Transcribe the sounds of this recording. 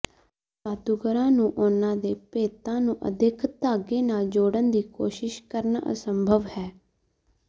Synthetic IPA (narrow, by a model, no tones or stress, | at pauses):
paːt̪uɡəɾãːnũːʔʊnãːd̪eːpeːt̪ãːnũːʔə̰d̪ɪkʰt̪aːɡeːnaːld͡ʒoːɽənd̪iːkoːʃɪʃkəɾna̰ə̰səmbʱəʋhɛː